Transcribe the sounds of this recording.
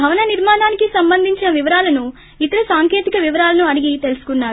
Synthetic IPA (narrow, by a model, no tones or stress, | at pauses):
bʱɐʋɐnɐniɾmaːnaːnikisɐmbɐnd̪ʱiɲt͡ʃinɐʋiʋɐɾaːlɐnu | it̪ɐɾɐsaːŋkeːt̪ikɐʋiʋɐɾaːlɐnuɐɽiɡit̪e̞lusu̥kunːaːɾ